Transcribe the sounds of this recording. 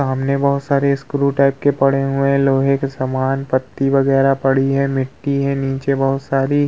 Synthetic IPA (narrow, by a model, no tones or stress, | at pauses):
aːmnebɐɦʊt̪saːɾeskʊɾuʈaːɪp̚kepɐɽeɦʊẽloːɦeksɐmaːnpɐt̪ːiʋɐɡɛːɾapɐɽiɦɛmɪʈːiɦɛ̃niːt͡ʃebɐɦʊt̪saːɾi